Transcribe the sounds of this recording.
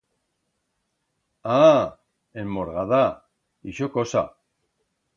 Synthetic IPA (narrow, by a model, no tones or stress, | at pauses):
a | emoɾɣaða | iʃokosa̰